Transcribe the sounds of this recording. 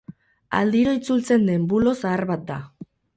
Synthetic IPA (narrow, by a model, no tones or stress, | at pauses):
a̰ld̪iɾoit͡sult͡se̞nd̪e̞mbulo̞saːɾβat̪̚d̪a